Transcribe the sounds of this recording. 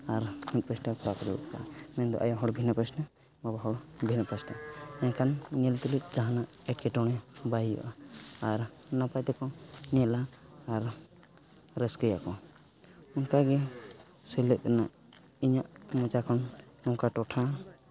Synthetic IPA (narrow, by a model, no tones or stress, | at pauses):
aɾmut̪̚pasnapʰɾakɔɾɛṵt̪̚ka̰ʔamɛnd̪ɔ̰ʔajɔɦɔɽbʱinapɾasna | babaɦɔɽbʱinapasnaɛjakannɛlt̪ulit̪̚ˀd͡ʒaɦanaʔɛʈ̚kɛʈɔɽ̃ɛbajijɔ̰ʔaːɾ | napajt̪ɛkɔnɛlaːɾ | ɾɛskɔjakɔ | unkaɡɛ | sɛlɛt̪̚ˀɛnaʔ | iɲaʔmɔd͡ʒakʰɔnː | ɔŋkaʈɔʈʰa